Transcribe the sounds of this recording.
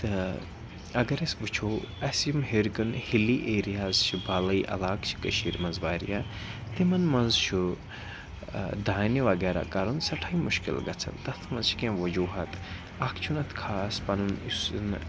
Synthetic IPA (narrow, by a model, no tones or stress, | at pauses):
t̪ɨ | ɐɡɐɾɐsbut͡ʃʰoːɐsjimɦeɾkɐnhiliːʔeːɾijaːzt͡ʃʰibaːlɐiʔɐ̰laːkt͡ʃʰi̥kɐʃiːɾmɐnzʋaːɾḭjaː | t̪imɐnmɐnzt͡ʃʰu | d̪aːniʋɐɡɛːɾa̰ːkɐɾɐnsɐʈʰaimuʃkḭlɡɐt͡sʰɐ̰nt̪ɐt̪ʰmɐ̃nzt͡ʃʰi̥kẽʋɐd͡ʒuːɦɐt̪ | ɐkʰt͡ʃʰunɐt̪ʰkʰaːspɐnunisn